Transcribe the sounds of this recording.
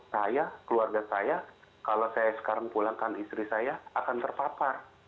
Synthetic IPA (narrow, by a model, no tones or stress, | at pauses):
sajakəluarɡasajakalosajasə̥kaɾaŋpulaŋkanist̪ɾisajaakant̪ərpap̪ar